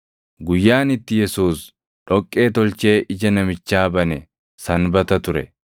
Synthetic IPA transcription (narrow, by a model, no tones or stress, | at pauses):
ɡʊjːaːnɪt̪ːɪjɛsuːs | ᶑɔkʼːe̞ːt̪ɔlt͡ʃe̞ːʔɪd͡ʒɐnɐmɪt͡ʃːaːbɐnɛ | sɐnbɐt̪ɐt̪ʊɾɛ